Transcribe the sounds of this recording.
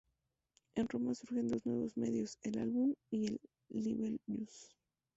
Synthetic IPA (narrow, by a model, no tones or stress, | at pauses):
enro̞masuɾxe̞nd̪o̞znwe̞̰βo̞zme̞̰ðjose̞la̰lβumielː | iβelbus